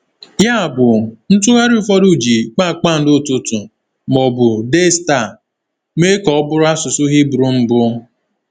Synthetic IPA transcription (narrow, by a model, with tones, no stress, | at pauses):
ja˦a˨bʊ˨n̩˦tʊ˦ɣa˦ɾu˦fɔ˦ɾu˦˨d͡ʒi˨k͡pa˦˨k͡pa˦˨n̩˨˦dʊ˦˨tʊ˦tʊ˨ | mɔ˨bʊ˨de˦sta˦˨ | me˦kɔ˨ɔ˦bʊ˦ɾʊ˦a˦sʊ˨sʊ˦ɦi˦bɾu˦m̩˨bʊ˦